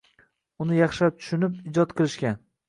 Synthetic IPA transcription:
ʊnɪjɑχʃat̪ʰʊ̥ʃʊnɪpɪd͡ʒɒt̪̚qɨlˠɪʃkʲan

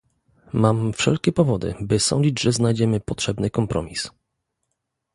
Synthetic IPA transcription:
mamfʂɛ̰lkʲɛpɔvɔd̪ɘ̰bɘsɔ̰ɲd͡ʑid͡ʑʐɛznajd͡ʑɛmɘpɔtʂɛbnɘkɔmpɾɔ̰mʲis

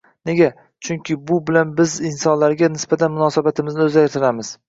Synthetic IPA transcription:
neɡʲa | t͡ʃʰʊŋkʲʰɪbʊbɪlanbɪzɪnsɒnlaɾɡʲanɪsbat̪ʰanmʊnɒsabat̪ʰɪmɪznɪɵzaɾɪt̪ʰɪlamɪz̥

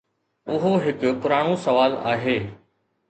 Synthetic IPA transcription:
ʊɦoɦɪkʊ̆pʊɾaːɽ̃osɐʋaːla̰ːɦeː

